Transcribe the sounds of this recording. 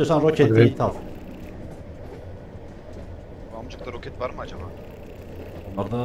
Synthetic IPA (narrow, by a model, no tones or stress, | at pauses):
osanɾocʰed̪vet̪ʰaf | bamd͡ʒɯkt̪aɾokʲʰɛt̪vaɾmɯad͡ʒaba | unˠaɾd̪a